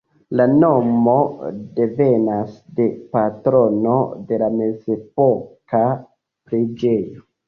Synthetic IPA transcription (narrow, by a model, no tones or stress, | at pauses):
lano̞mo̞de̞ve̞nasde̞patɾo̞no̞̰de̞lame̞ze̞po̞ka | pɾed͡ʒe̞jo